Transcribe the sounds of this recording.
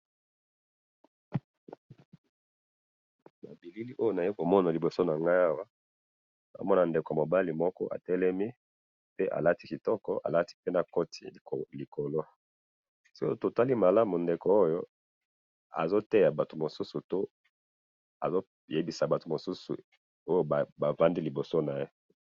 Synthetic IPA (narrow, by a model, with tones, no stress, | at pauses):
ma̰˨bi˨li˦li˦ʔo˦jo˦na˨je˦ko˨mɔ˦na˨li˨bo˨so˦na˨ŋɡa˦a˦wa˦ | na̰˨mɔ˦na˨nde˨ko˨mo˨ba˦li˨mɔ˦kɔ˦ʔa̰˨tɛ˦lɛ˦mi˦ | pe˦ʔa̰˨la˦ti˦ki˨tɔ˦kɔ̰˦ʔa̰˨la˦ti̥˦pe˦na˨ko˦tʰḭ˨li˨kʰo˨lo˦ | sɔ˦ko˦to˨ta˦li˦ma˨la˦mu˨nde˨ko˨o˦jo˦ | a̰˨zo˦tɛ˦ja˨ba˨to˨mo˨su˦su˨to˦ | a̰˨zo˦ | je˦bi˨sa˨ba˨to˨mo˨su˦sṵ˨ | o˦jo˦˨ba˨va˦ndi˦li˨bo˨so˦na˨je˦